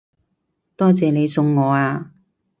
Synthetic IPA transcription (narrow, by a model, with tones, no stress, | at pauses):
t̪ɔː˥t͡sɛː˨ne˨˧jsʊ˧ŋːɔː˨˧aː˧